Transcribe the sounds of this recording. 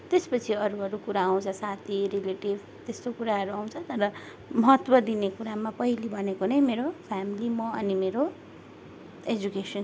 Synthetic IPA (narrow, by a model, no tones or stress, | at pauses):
t̪espʌt͡sʰiʌɾuɦʌɾukuɾaaw̃t͡sʰʌsat̪ʰiɾileʈibʱ | t̪est̪okuɾaɦʌɾuaw̃t͡sʰʌt̪ʌɾʌ | mʌɦʌt̪wʌd̪inekuɾamapʌilibʱʌnekonʌjmeɾopʰamilimʌʌnimeɾo | ed͡zukesʌn